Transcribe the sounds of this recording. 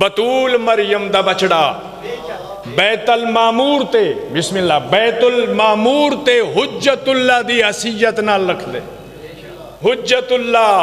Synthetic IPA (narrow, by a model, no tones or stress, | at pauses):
bɐt̪uːlmɐɾjəmd̪aːbɐt͡ʃɽaː | bɛːt̪əlmaːmuːɾt̪ebɪsmɪ̃nːaːbɛːt̪ʊlmaːmuːɾt̪eɦʊd͡ʒət̪ʊlːaːd̪iːɦɐsijət̪naːlːɐkʰd̪ḛː | ɦʊd͡ʒət̪ʊlːaː